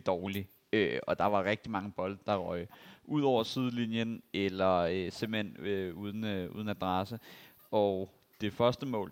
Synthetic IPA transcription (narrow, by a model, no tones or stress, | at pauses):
d̥ɒːli | øɒ̽d̥ɑ̈ʋɑ̈ʁeɡ̥̚d̥imɑ̈ŋəb̥ɒ̽ld̥̚d̥ɑ̈ʁɒɪʔuð̞̰ˠɒʊ̰ɐsið̞ˠəlinjənelɐøsemb̥l̩henøuð̞ˠən̩ṵð̞ˠən̩æd̥ʁɑ̈sə | ɒʊ | d̥e̝fɶɐsd̥əmɔ̰ːl